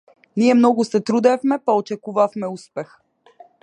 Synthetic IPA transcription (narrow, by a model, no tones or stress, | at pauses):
niɛmnɔɡʊsɛt̪ɾud̪ɛfmɛpaot͡ʃɛkuvafmɛuspɛx